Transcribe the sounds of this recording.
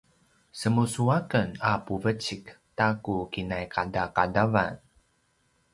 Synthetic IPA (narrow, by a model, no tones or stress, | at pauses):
səmusuakənapuvət͡ʃiktakukinajkadakadava̰n